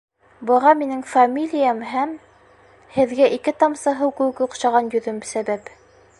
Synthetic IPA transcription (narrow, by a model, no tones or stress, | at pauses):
bɤ̆ʁɑminɘŋfamʲilʲijɑmɦæm | hɘ̆ðɡæʔikɘt̪ɑmsɑɦɤwkɘ̆wɘ̆kuqʃɑʁɑnjɵ̆ðɘmsæβæp